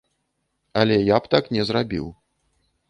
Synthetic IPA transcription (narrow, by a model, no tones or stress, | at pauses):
ɐlʲɛjapt̪aknʲɛzrabʲḭw